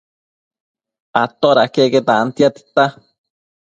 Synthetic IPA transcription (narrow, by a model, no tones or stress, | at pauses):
at̪oɾakeket̪ant̪iat̪i̥t̪a